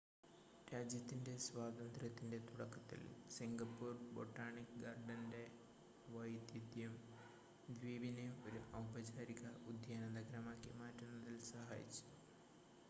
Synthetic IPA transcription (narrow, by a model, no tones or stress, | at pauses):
ɾaːd͡ʑjɐt̪ːinde̞swaːd̪ɐnd̪rɐt̪ːinde̞t̪uɽɐkːɐt̪ːḭl̰siŋɡɐpːuːrboʈːaːɳikɡaːrɖɐnde̞ | ʋɐjd̪id̪jum | d̪ʋiːbineo̞ɾuʔɐwbɐd͡ʑaːɾiɣɐud̪ʱjaːnɐnnɐɡɐɾɐmaːkːimaːtːunːɐðilsɐɦa̰ːjḭt͡ɕːu̥